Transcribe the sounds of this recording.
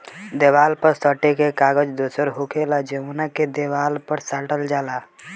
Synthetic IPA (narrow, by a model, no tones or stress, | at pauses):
d̪ewaːlpəɾsəʈekekaːɡəd͡ʒd̪osəɾɦokʰelad͡ʒeunaked̪ewaːlpəɾsaːʈəld͡ʒaːla